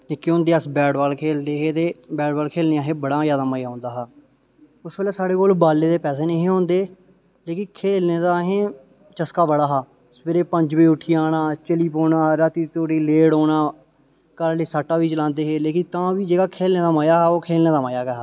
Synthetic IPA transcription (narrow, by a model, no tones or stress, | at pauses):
nɪkːiõːnd̪eːəsbɛːɖbaːlkʰeːld̪eːɦeːt̪eːbɛːɖaːlkʰeːlneːaːɦẽːbəɽaːjaːd̪aːməːjaːɦõːnd̪aːɦaː | ʊsbeːlɛːsaːɽeːkoːlbaːlːeːd̪eːpɛːseːnəɦĩɦõːnd̪eː | leːkɪnkʰeːlneːd̪aːɦẽː | t͡ʃəskaːbəɽaːɦaː | speːɾeːpəɲd͡ʒbiːʊʈʰiːaːnaːt͡ʃəliːpoːnaːɾaːt̪iːt̪oːʈiːleːɽoːnaː | kəɾliːsaːʈːaːʋiːt͡ʃəlãːnd̪eːɦeːleːkɪ̃t̪ãːʋiːd͡ʒeːɡaːkʰeːlneːd̪aːmaːjaːɦɛːoːkʰeːlneːd̪aːmaːjaːɡeːɦa